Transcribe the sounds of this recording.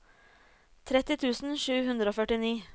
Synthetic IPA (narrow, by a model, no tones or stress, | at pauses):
t̪ʰɾɛt̪ɪt̪ʰʉːsn̩ʃʉːhʉnd̪ɾəoːfœʈɪniː